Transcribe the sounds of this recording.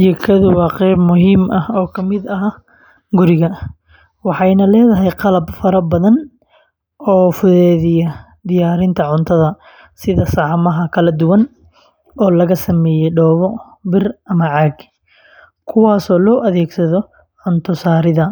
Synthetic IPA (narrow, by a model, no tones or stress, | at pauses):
ɛkʰɐðʊwɑːqɛbmʊɦiːmʔɐhɔːkʰɐmɪd̪ɐɦa | ɡʊɾɪɣɐ | wɑħɑjnɐlɛːðɐɦɛjqɑlɐbfɐɾɐbɐðɐn | ɔːfʊðɛːðɪjɐ | d̪ɪjaːɾɪnt̪ʰɐʕʊnt̪ʰɐðɐ | sɪðɐsɑʕmɐɦɐkʰɐlɐd̪ʊwɐn | ɔːlɐɣɐsɐmɛːjɛɖɔːβɔ | bɪrʔɐmɐʕɑːɡ | kʰʊwɑːsɔːlɔːʔɐðɛːɡsɐðɔ | ʕʊnt̪ʰɔsaːɾɪðɐ